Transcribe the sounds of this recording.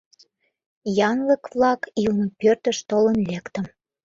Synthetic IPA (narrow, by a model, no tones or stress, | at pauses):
jɑŋɡə̆kβlɑkilnəpørt̪əʃt̪olənlekt̪ə̆m